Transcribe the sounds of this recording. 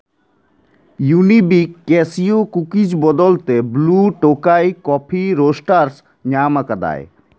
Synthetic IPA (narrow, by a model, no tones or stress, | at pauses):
junibikːɛsiokukid͡ʑbɔd̪ɔlt̪ebluʈokajkɔpʰiɾosʈaɾs | ɲamakad̪a̰e